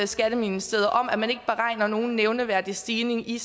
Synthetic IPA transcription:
sɡ̥æɾ̥əminisd̥eːðˠɐʔɒ̽m̰æmæne̝ɡ̥əb̥e̝ʁɑ̈ɪ̰nɐno̝ːn̩ːeʊnəʋæɐ̰d̥isd̥iːne̝ŋi

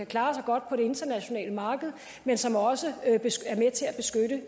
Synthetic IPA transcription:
ækʰlɑ̈ːsɑ̈ɪɡ̥ɒ̽d̥pʰɒ̽ɾe̝e̝nd̥ɐnæɕo̝nɛ̰ːləmɑ̈ːɡ̥əð̞̩ˠ | mensɒ̽mɒ̽sə̥eæɐmet͡sʰe̝læb̥e̝sɡ̥øɾə

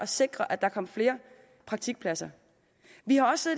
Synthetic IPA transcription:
ɒ̽se̝ɡ̥ʁɐʔæd̥ɑ̈kʰɒ̽m̰fle̝ːɐ | pʰʁɑ̈ɡ̥̚t͡sʰiɡ̥pʰlæsɐ | ʋihɑ̈ɒ̽sseðˠ

